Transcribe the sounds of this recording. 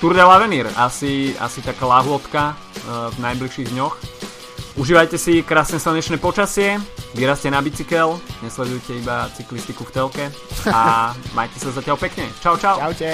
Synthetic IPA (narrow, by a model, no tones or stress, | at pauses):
t̪uɾd̪alaʋɛniːɾasia̰sit̪akalaɦʊɔt̪ka | vnajbliʃiːɣd̪ɲɔx | ʔuʒiːʋajcɛsikɾaːsnɛslaɲɛt͡ʃnɛːpɔt͡ʃasɪɛʋiɾascɛnabit͡sikɛlɲɛslɛd̪ujcɛibat͡siklist̪ikuft̪ɛlkɛ | ama̰jcɛsazacɪalpɛkɲɛt͡ʃaʊt͡ʃaʊa